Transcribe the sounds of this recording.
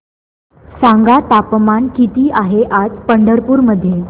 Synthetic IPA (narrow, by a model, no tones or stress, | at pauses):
saŋɡat̪apmankit̪iːʔaɦeʔad͡zpəɳɖəɾpuːɾməd̪ʱːje